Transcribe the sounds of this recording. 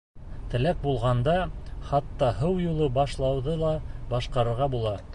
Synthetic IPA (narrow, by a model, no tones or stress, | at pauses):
t̪ɘ̆læk̚bulˠʁɑnd̪ɑχɑt̪ːɑɦɤwjulˠɤbɑʃlˠɑwðɤlˠɑbɑʃqɑɾɤ̆ɾʁɑbulˠɑ